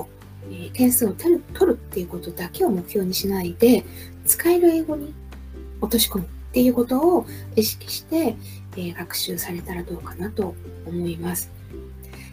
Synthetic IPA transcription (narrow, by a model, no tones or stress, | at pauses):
eːkẽ̞ɰ̃sɨːot̪eɾɯ̟t̪ʰo̞ɾɯ̟t̪ːe̞jɯ̟ko̞t̪o̞d̪ake̞o̞mo̞kɯ̟̥çʲjo̞ːɲ̟iɕinaid̪e̞ | t͡sɨ̥kaeɾɯ̟e̞ːɡo̞ɲ̟i | o̞t̪o̞ɕi̥ko̞mɯ̟t̪ːe̞jɯ̟ːko̞t̪o̞ː | iɕi̥kʲi̥ɕi̥t̪e̞ | ɡakɯ̟̥ɕɨːsaɾe̞t̪aɾad̪o̞ːkanat̪o̞ː | mo̞imasɨ̥